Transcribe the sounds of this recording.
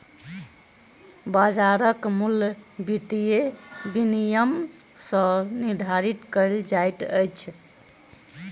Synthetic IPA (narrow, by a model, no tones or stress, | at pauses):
bad͡ʒaɾəkmulbiʈ̪ijebinijəmsə̃niɾd̪ʱaɾit̪kəɪld͡ʒajt̪əjt͡ʃʰ